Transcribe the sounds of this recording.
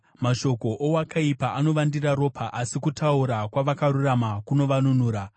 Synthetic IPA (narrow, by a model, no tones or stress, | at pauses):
maʃo̞ko̞ʔowakaipaʔano̞ʋandiraɾo̞pʰaʔasikutauɾakwaʋakaɾuramakuno̞ʋanunuːɾa